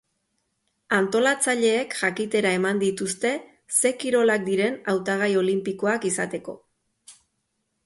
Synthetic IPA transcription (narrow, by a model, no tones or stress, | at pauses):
ant̪o̞lat͡saʎe̞ːkʝakit̪e̞ɾae̞mand̪it̪ust̪e̞ | se̞kiɾo̞lak̚d̪iɾe̞nawt̪aɣ̞ajo̞limpikoakisat̪e̞ko̞̰